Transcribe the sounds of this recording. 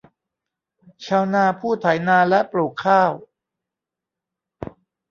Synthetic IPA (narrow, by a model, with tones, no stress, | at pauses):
t͡ɕʰaː˧wnaː˧˩pʰuː˥˩t̪ʰa˩˦jnaː˧lɛ˦˥ʔpluː˨˩kʰːaː˥˩w